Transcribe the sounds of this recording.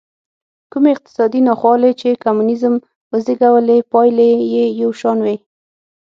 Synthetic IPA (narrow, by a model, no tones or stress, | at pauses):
kumeɪq̚t̪ɪ̥sɑd̪inɑxwɑlet͡ʃekamunɪzəm | wəzɪɡawəlepɑjlejejawʃɑnwe